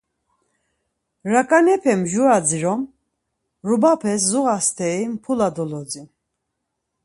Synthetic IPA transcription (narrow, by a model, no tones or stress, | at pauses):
ɾakʼanɛpʰɛmʒuad͡ziɾɔm | ɾubapʰɛs̬zuɣast̪ʰɛimpʰulad̪ɔlɔd͡zi